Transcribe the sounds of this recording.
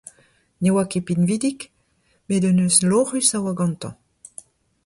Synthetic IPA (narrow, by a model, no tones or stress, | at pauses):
newakepinvid̪ik | med̪ənøslɔʁysawaɡɑ̃nt̪ɑ̰̃